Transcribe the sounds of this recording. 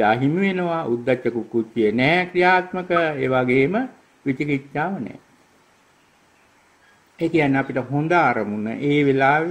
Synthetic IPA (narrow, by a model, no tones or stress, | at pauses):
aːɦimiʋenəʋaʔud̪ːat͡ʃːəkukːut͡ʃːijənɛːkrijaːt̪məkəeːʋaɡeːmə | ʋit͡ʃikit͡ʃːaːʋənɛ̰ː | eːkijanːeapiʈəɦond̪aːɾəmunə̰ʔeːʋelaː